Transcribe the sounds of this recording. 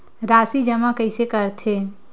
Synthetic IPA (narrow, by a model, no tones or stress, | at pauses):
ɾaːsid͡ʒəmakɐɪsekəɾt̪ʰeː